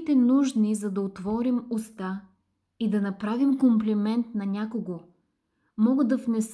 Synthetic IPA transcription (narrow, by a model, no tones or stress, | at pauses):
t̪ɛnuʒnizɐd̪ɐot̪vɔɾimʊst̪a | id̪ɐnɐpɾavimkomplɛmɛnt̪nɐnʲakoɡo | mɔɡəd̪ɐvnɛs